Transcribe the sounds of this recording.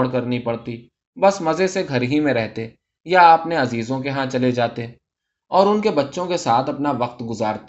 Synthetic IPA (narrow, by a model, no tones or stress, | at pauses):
ɽkɐɾnipɐɽt̪i | bɐsmɐzeseɡʱɐɾɦimẽɾɛɦt̪e | jaːɐpneɐziːzõkeɦãt͡ʃɐled͡ʒaːt̪e | ɔːɾʊnkebɐtːʃõkesaːt̪ʰɐpnaʋɐq̚t̪ɡʊzaːɾt̪